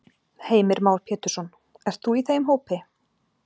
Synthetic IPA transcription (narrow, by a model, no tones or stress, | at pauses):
heːjmɪɾmaːwɾ̥pʰɛːt̪ʏɾ̥sɔn | ɛr̥t̪θuiθeːjmɦoːwpɪ